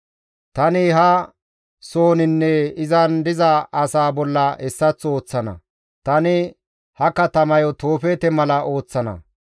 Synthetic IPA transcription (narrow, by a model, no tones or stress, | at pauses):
t̪ɐnɪɦɐ | so̞ːnɪnːɛɪzɐnd̪ɪzɐɐsaːbɔlːɐɛsːɐt͡sːo̞ːt͡sːɐnɐ̰ | t̪ɐnɪ | hɐkɐt̪ɐmɐjɔt̪o̞ːfeːt̪ɛmɐlɐʔo̞ːt͡sːɐnɐ̰